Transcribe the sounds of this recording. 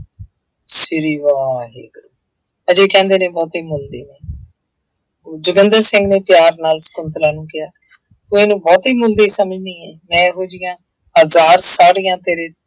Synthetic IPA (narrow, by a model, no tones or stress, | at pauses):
sɪɾiːʋaːɦḛːɡəɾuː | əd͡ʒeːkɛ̃ːnd̪eːnẽːbɔːt̪iːmʊld̪eːneː | oːd͡ʒʊɡənd̪əɾsɪ̃ŋɡneːpjaːɾnaːlsə̥kʊnt̪əɾaːnũːkɪjaː | t̪ũẽːnũːbɔːt̪iːmʊld̪eːsəməd͡ʒnĩːɛːmɛ̃ːɦoːd͡ʒɪjãː | ɦəzaːɾsaːɽiːãːt̪eːɾeː